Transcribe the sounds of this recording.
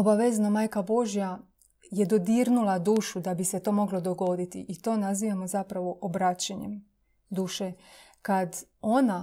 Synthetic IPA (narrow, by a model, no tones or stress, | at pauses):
obaʋeznomaːjkabo̞ʒja | je̞d̪o̞d̪iːɾnulad̪uːʃud̪abise̞t̪o̞ːmo̞ɡlo̞d̪o̞ɡo̞d̪it̪ḭʔit̪o̞ːnaziːʋamo̞zapɾaʋo̞ʔobɾat͡ɕaɲḛm | d̪uːʃekad̪ | o̞na